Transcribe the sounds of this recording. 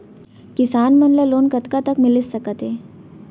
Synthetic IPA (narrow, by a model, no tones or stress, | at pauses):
kɪsaːnmənləloːnkɐt̪kat̪ɐkmɪlɪsːɐkət̪ɦeː